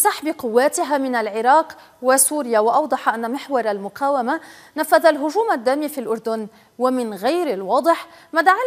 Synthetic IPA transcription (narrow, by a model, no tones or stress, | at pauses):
saħbɪqʊwːaːt̪ɪɦaːmɪnalʕɪɾɑːq | wasuːɾɪjawɑʔɑwd̪ˤɑħɑʔanːamɪħwɑɾˤalmʊqaːwama | nafːaðalɦʊʒuːmad̪ːaːmifiːlʔʊɾd̪ʊn | wamɪnɣajɾɪlwɑːd̪ˤɨħmad̪aʕa